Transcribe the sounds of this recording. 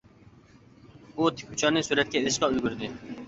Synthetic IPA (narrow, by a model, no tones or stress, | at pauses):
ut̪ʰɪ̥kʲʰut͡ʃʰɑnɨsuɾɛt̪̚kʲɛilɪʃqɑølɡʲyɾd̪ɪ